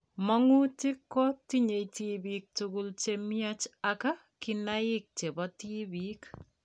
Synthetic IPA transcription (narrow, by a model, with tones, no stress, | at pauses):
mɔ˦ŋu˦tɪ˦kːɔ˦ti˦ɲe˨tibi˨k̚tuɡʊ˨lt͡ʃe˦mi˦a˦t͡ʃaka˦ | ki˨na˦ɪ˦k̚t͡ʃe˨bɔti˦bik